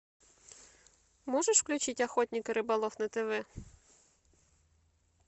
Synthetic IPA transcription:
mɔʒeʃwklʲʉt͡ʃɪtʲɐxɔt̪ʲnʲikɐɾɪbɐlˠɔfnɐt̪ɪʋɪ

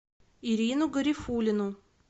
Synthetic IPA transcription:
iɾʲinʊɡəɾʲifulʲɪnʊ

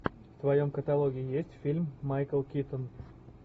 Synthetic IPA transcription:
ft̪vɐjomkət̪ɐlˠoɡʲɪːɪjesʲtʲfʲilʲmːajkəlˠkʲit̪ən

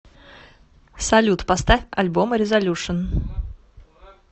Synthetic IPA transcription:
sɐlʲut̪pɐst̪afʲɐ̰lʲbomɾʲɪzɐlʲuʂɨn

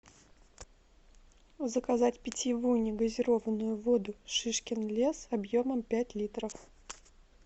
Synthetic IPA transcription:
zəkɐzatʲpʲɪtʲɪvujʊnʲɪɡəzʲɪɾo̞vənʊjʊvod̪ʊʂɨʂkʲɪnlʲe̞sɐbjoməmpʲætʲlʲit̪ɾəf

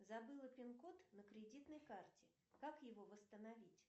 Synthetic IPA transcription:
zɐbɨlˠəpʲɪnkot̪nəkɾʲɪdʲit̪nəjkartʲɪ | kakjɪvo̞vəst̪ənɐvʲitʲ

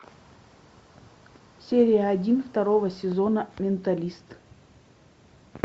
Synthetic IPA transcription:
sʲeɾʲɪjəɐdʲinft̪ɐɾovəsʲɪzonəmʲɪnt̪ɐlʲist̪

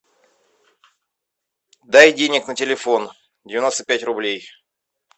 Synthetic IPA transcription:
d̪ajdʲenʲɪknətʲɪlʲɪfo̞n | dʲɪvʲɪnost̪əpʲætʲrʊblʲej

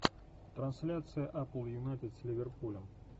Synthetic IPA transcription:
t̪ɾɐnsʲlʲat̪sɨjəʔaplˠjʊnajt̪ʲɪt̪sʲlʲɪvʲɪrpulʲəm

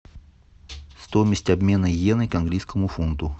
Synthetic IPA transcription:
st̪omʲɪsʲtʲɐbmʲe̞nəjenɨkɐnɡlʲijskəmʊfunt̪ʊ

